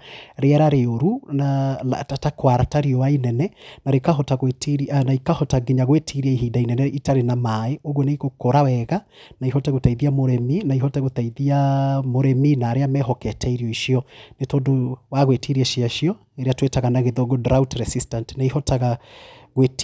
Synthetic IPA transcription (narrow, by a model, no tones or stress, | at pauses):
ɾeɛɾaɾeoɾunala̰tatakwaɾataɾiɔwainɛnɛnaɾekaɦɔtaɣwetiɾianaikahɔtaɡiɲaɣwetʰiɾiaiɦiːdainɛnɛitaɾenamaeoɣɔneiɣokoɾawɛɣa | naiɦɔtɛɣotaiðiamoɾɛminaihɔtɛɣotaiðiamoɾɛminaɾeamɛɦɔkɛtʰɛiɾiɔiʃiɔnetondowaɣwetʰiɾiaʃiaʃiɔ | eɾeatwetaɣanaɣeðoɡodɾautɾɛsistantnaihɔtaɣaɣwet